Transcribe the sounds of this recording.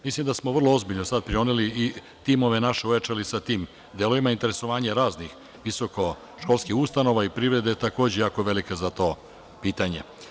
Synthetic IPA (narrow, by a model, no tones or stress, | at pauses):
mislˠimd̪asmoʋr̩lˠoozbiʎnosad̪̚pɾionelii | t̪imo̞ʋe̞naʃe̞ujat͡ʃalisat̪iːm | d̪eloʋimaint̪e̞ɾe̞so̞ʋaːɲaɾaːznix | ʋiso̞ko̞ | ʃko̞lˠskixust̪ano̞ʋaipɾivɾe̞d̪et̪ako̞ːd͡ʑejaːko̞ʋe̞likazat̪o̞ː | piːt̪aɲḛ